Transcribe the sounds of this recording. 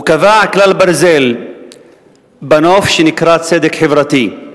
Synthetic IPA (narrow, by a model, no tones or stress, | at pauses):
ukavaʕaklalbaɾzel | banofʃenikɾat͡sed̪ekħevɾat̪i